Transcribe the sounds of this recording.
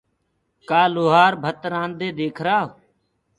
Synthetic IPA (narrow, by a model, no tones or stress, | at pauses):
kaːloːɦaːɾbʱət̪ɾãːnd̪eːd̪eːkʰɾaːɦ